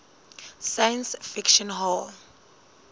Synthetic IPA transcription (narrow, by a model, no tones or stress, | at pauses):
sajãnsfikʃɔ̃nɦɔl